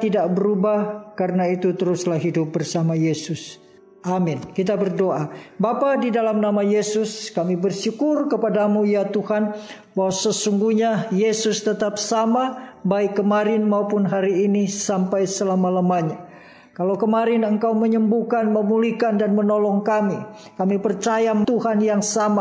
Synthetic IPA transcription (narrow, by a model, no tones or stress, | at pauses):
t̪idaʔbəɾubahkaɾənait̪ut̪əɾʊslahɦidʊp̚bərsamajesʊs | amɪnkit̪abərdoʔabapadidalamnamajesʊskamibərsukʊrkəpadamujat̪uhan | bawasəsuŋɡuhɲajesʊst̪ət̪ap̚samabaɪkːəmaɾɪnmaupʊnɦaɾiːnisampajsəlamalamaɲa | kalawkəmaɾɪnəŋkawməɲəmbukanməmulikandanmənɔlɔŋkami | kamipərt͡ʃajat̪uɦanjaŋsama